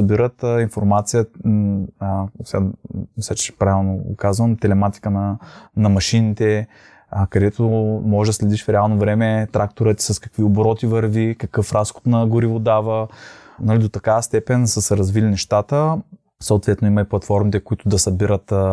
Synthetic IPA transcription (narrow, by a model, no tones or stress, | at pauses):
sɐbiɾət̪infoɾmat̪sijə | sʲamisat͡ʃpɾavʲɛlˠnoɡʊ̰kazvəmt̪ɛlɛmat̪i̥kənɐnɐmɐʃinit̪ɛ | kɐd̪ɛt̪omɔʒɛd̪ɐslɛd̪iʃfɾɛalˠnovɾɛmɛt̪ɾak̚t̪oɾət̪i̥sɐskɐkviobɾɔt̪ivɐɾvikɐkɤfɾasxo̥t̪nɐɡʊɾivod̪avənɐlid̪ot̪ɐkavəst̪ɛpɛnsəsɛɾɐzvilinɛʃt̪at̪ə | soʊt̪vɛt̪noimɐiplˠɐt̪fɔɾmit̪ɛkʊit̪ʊd̪ɐsɐbiɾət̪